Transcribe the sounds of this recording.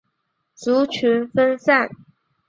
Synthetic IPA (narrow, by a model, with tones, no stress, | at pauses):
t͡su˧˥t͡ɕʰy˧˥nfə˥nsa˥˩n